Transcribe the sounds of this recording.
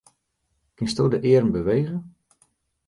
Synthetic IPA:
kɪnstoːdəʔɪəɾmbəʋejɣə

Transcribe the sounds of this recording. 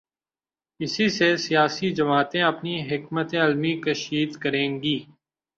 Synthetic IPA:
ɪsisesijaːsid͡ʒəmaːt̪ẽɐpniɦɪkmət̪ẽɐlmikəʃiːd̪kəɾẽːŋɡiː

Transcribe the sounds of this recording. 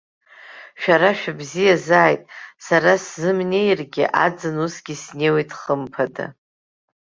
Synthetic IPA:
ʃᶣaɾaʃᶣabzijazaːjtʼsaɾaszɨmnʲe̞jrɡʲiʔad͡zɨnusɡʲisnewejtʰʼχəmpʰada̰

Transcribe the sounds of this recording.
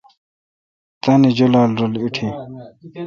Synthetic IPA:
t̪anid͡ʑolaːlɾɐliʈʰi

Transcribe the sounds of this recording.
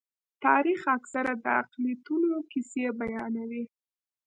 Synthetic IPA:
t̪ɑɾixaksaɾad̪əaqliat̪unokisebajɑnawi

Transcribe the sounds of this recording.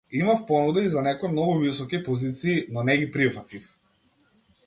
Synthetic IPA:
imafpɔnud̪ɛizanɛkɔjmnɔɡuvisɔkipɔzit̪siːnɔnɛɡipɾivɾt̪ix

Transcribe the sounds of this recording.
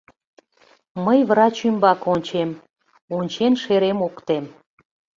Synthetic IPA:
məjβɾɑt͡ɕymbɑkonʲt͡ɕem | onʲt͡ɕenʃeɾemokt̪em

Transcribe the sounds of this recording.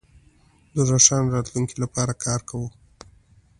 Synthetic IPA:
d̪əɾaʂɑnɾɑt̪luŋkilapɑɾakʰɑɾkawu

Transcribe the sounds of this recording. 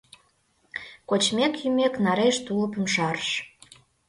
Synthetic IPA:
kot͡ɕmekjymeknɑɾeʃt̪uləpə̆mʃɑrʃ

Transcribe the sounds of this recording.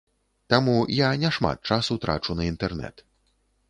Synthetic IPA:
t̪amujanʲɛʂma̰t̪̚t͡ʂasut̪ɾa̰t͡ʂunɐint̪ɛrnɛ̰t̪

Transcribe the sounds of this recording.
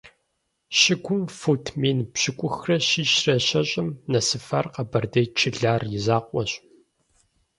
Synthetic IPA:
ɕɪɡʷʊmfutʰmeːnpɕɪkʷʼʊxrɐɕiːɕrɐɕɐɕʼɪmnɐsɨfɐrqɐbɐrdɐjt͡ʃʰɪɮaːrjɪzaːqʷʼɔɕʼ

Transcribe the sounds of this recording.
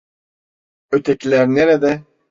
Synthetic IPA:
øt̪ʰɛcʰilʲæɾneɾɛd̪ɛ

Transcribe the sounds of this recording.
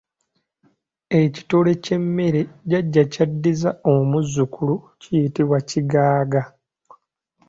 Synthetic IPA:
eci̥tole̞ce̞mːe̞ɾeɟaɟːacadːizaomuzːukulu | cijitiβwaciɡaːɡa

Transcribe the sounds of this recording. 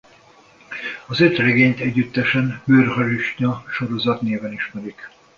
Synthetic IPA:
ɒzøt̪rɛɡeːɲt̪ɛɟːyt̪ːɛʃɛnbøːrhɒɾiʃɲɒʃo̞ɾo̞zɒt̪neːvɛniʃmɛɾik

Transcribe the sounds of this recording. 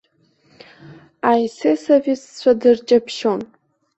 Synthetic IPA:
ajsesavʲist͡ɕʷʰadɨrt͡ʃʼapʰʃo̞n

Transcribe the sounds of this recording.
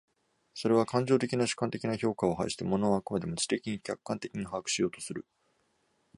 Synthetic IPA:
so̞ɾe̞β̞akãɲ̟d͡ʑo̞ːt̪e̞kʲinaɕɨ̥kːãnt̪e̞kʲinaço̞ːkao̞ɦa̰iɕi̥t̪emo̞no̞ːakɯ̟mad̪e̞mɯ̟t͡ɕi̥t̪e̞kʲiɲ̟ikʲakːãnt̪e̞kʲiɲ̟ihaakɯ̟̥ɕijo̞ːt̪o̞̥sɨɾɯ̟

